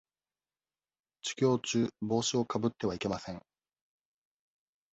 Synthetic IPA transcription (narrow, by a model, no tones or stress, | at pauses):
t͡ɕi̥kʲo̞ːt͡ɕɨːbo̞ːɕio̞kabɯ̟t̪ːe̞βaike̞masẽ̞ŋ